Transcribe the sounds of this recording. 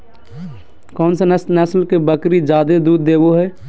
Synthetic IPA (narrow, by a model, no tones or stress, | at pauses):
kɔːnsesnəsəlkebəkɾid͡ʒaːd̪ed̪uːd̪ːeːboɦɛː